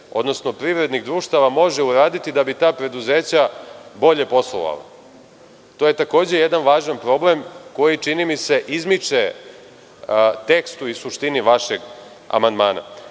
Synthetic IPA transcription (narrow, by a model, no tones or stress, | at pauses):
o̞d̪no̞sno̞pɾiʋɾe̞d̪niɣd̪ɾuːʃt̪aʋamo̞ʒeuɾaːd̪it̪id̪abit̪aːpɾe̞d̪uze̞ːt͡ɕabo̞ʎe̞po̞slˠo̰ʋa̰la̰ | t̪o̞je̞t̪ako̞ːd͡ʑe̞jed̪anʋaːʒanpɾo̞ble̞mko̞jit͡ʂinimise̞ʔizmit͡ʂe | t̪e̞kst̪uisuʃt̪iniʋaʃe̞ɡ | a̰mand̪maːna̰